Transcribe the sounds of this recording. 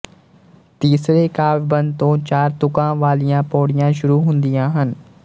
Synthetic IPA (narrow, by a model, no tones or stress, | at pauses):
t̪iːsɾekaːʋbə̃nd̪t̪õːt͡ʃaːɾt̪ʊkãːʋaːlijãːpoːɽijãːʃʊɾuːɦʊ̃nd̪ijãːɦən